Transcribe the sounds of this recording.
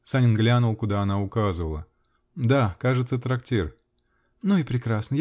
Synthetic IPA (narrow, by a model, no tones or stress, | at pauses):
sanʲɪnɡlʲanʊlˠkʊd̪aɐnaʊkazɨvəlˠə | d̪akaʐɨt̪sət̪ɾɐktʲer | nuɪpɾʲɪkɾasnəj